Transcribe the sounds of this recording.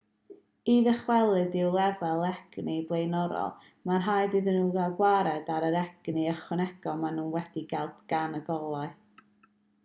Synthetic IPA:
iːðəχwɛlˠɨdɪwlˠɛvɛlˠɛɡ̥niblˠejnɔɾɔ̰lˠ | marɦajdɨðɨnuɡaɡwaɾɛdaɾəɾɛɡ̥niəχwɛnɛɡ̥ɔmanuːnwɛd̥iɡɛlˠdɡ̥anəɡɔlˠaɨ

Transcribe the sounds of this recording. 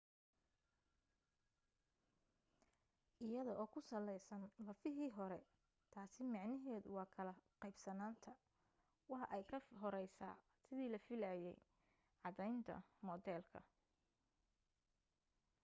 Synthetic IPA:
ʔɪjɐðɔʔɔːkʰʊsɐlɛjsɐnlɐfɪɦiːɦɔɾɛ | t̪ʰaːsɪmɑʕnɪɦɛːðʊwɑːkʰɐlɐqɛjbsɐnaːnt̪ʰɐ | wɑħɑʔɛjkʰɐɦɔɾɛjsa̰ː | sɪðiːlɐfɪlaːjɛ̰j | ʕɑðɛjnt̪ʰɐ̰mɔd̪ɛːlkʰɐ̰

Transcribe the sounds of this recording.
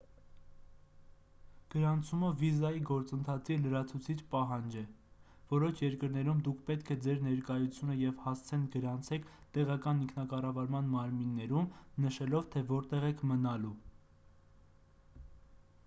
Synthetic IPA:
ɡ̥əɾɑnt͡sʰuməvizɑjiɡɔɾt͡sənt̪ʰɑt͡sʰiləɾɑt͡sʰut͡sʰit͡ʃʰpɑɦɑnd͡ʒɛ | vɔɾɔʃʰjɛɾkəɾnɛɾumd̪ukʰpɛt̪kʰɛd͡zɛɾnɛɾkɑjut͡sʰjunəjɛvhɑst͡sʰɛnɡəɾɑnt͡sʰɛkʰt̪ɛʁɑkɑniŋkʰnɑkɑrɑvɑɾmɑnmɑɾminːɛɾumnəʃɛlɔvt̪ʰɛvɔɾt̪ɛʁɛkʰmənɑlu

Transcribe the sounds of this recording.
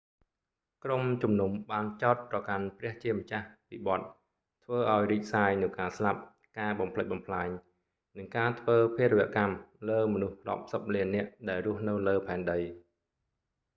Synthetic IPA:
kromt͡ɕumnumɓaːnt͡ɕaɔt̪̚prɑkanprɛ̆əht͡ɕiəmət͡ɕahpiɓɑ̆t̪̚ | t̪ʰʋəːʔaɔjriːc̚saːjnɨwkaːslap̚ | kaːɓɑmpʰləc̚ɓɑmpʰlaɛɲ | nɨŋkaːt̪ʰʋəːpʰeːɾəʋɛ̆əʔkamləːmɔnuhrŏəp̚səp̚liənːɛ̆əʔɗaɛlrʊ̆əhnɨwləːpʰaɛnɗəj

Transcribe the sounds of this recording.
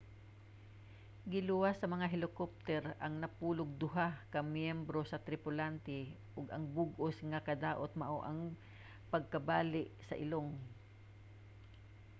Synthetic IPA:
ɡɪlʊwasːɐmɐŋaɦɪlɪkop̚t̪ɛɾɐŋnɐpuːlʊɡ̚d̪ʊɦakɐmjɛmbɾo̞sɐt̪ɾɪpʊlant̪ɛ | ʔʊɡɐŋbʊɡosŋɐkɐd̪aːʔot̪̚mɐʔoʔɐŋ | pɐɡ̚kɐbaːlɪʔsɐ̰ʔɪ̰loŋ

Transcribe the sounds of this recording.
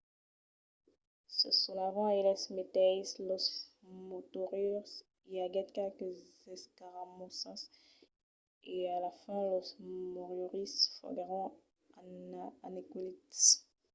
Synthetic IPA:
səsɔ̃lavãelɛsmet̪ɛslɔs | mot̪ɔʁyʁs | iaɡɛt̪kɛlkəzɛskaʁamɔ̃sɑ̃s | ealafɛ̃lɔsmoʁjɔʁisfɔ̰ɡʁɑ̃ | aanekulit̪

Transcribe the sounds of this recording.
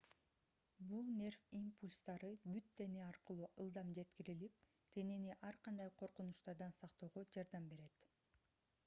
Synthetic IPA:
bulˠnʲe̞rfimpulʲst̪ɑɾɯbyt̪ʰːe̞neɑɾqɯlˠuːʔɯlˠd̪ɑmd͡ʒe̞t̪kiɾilip̚ | t̪ʰe̞neniʔɑɾqʰɑnd̪ɑjqʰo̞ɾqunuʃt̪ɑɾd̪ɑnsɑqt̪o̞ːʁod͡ʒɑɾd̪ɑmbe̞ɾe̞t̪

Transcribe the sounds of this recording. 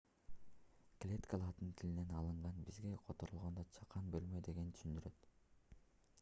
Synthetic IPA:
klʲet̪kalˠɑd̪ɯnt̪ʰiline̞nɑlˠɯɴʁɑnbizɡe̞qʰot̪o̞ɾulˠʁond̪ot͡ʃʰɑ̥qʰːɑnbølmød̪e̞ɡe̞nt̪ʰy̥ʃynd̪yɾø̞t̪

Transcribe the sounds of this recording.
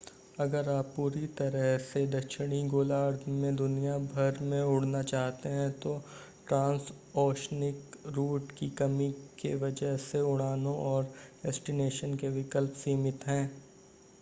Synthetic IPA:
ɐɡəɾaːpːuːɾit̪ɐɾəɦsed̪ɐkʃɪɽ̃iɡoːlaːɾd̪mẽd̪ʊnijabʱɐɾmẽʊɽ̤nat͡ʃaːɦt̪eɦɛ̃t̪o | ʈɾãːns | ɔːʃnɪkɾuːʈkikɐmikḛʋɐd͡ʒəɦseʊɽ̃aːnõʔɔːɾɖɛsʈɪneːʃənkeʋɪkəlpsiːmɪt̪ɦɛ̃ː

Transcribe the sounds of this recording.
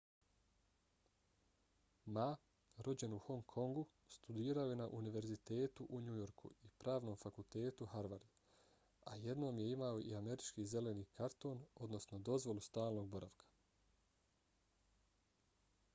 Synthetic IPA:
ma | ɾo̞d͡ʑe̞nuho̞ŋkʰo̞ŋɡu | st̪ud̪iːɾaojenaʔuniʋe̞ɾzit̪e̞ːt̪uʔuɲujo̞ɾkʰṵipɾaːʋno̞ːmfakult̪e̞ːt̪uhaɾʋaɾd̪ | aje̞d̪no̞ːmje̞imao̞ʔḭame̞ɾit͡ʃkiːze̞le̞niːkʰaɾt̪o̞ːno̞d̪no̞sno̞d̪o̞zʋo̞lust̪aːlno̞ːɡ̚bo̞ɾʔa̰ʋkʰḁ

